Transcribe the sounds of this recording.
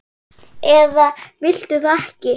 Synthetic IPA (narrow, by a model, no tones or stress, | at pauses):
ɛðavɪl̥t̪ʏθɛhcɪ